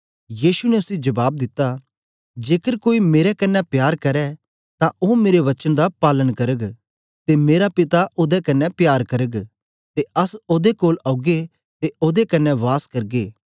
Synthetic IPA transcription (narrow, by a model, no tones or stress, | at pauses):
jiːʃunɛʊsid͡ʒɐbaːb̚d̪ɪt̪ːa | d͡ʒeːkəɾkoːimeːɾɛkɐnːɛpjaːɾkɐɾɛ | t̪ãoːmeːɾeʋɐt͡ʃənd̪apaːlənkɐɾəɡ | t̪emeːɾapɪt̪aʔoːd̪ɛkɐnːɛpjaːɾkɐɾəɡ | t̪eɐsoːd̪ekoːlɐːɡe | t̪eoːd̪ekɐnːɛʋaːskɐɾɡeː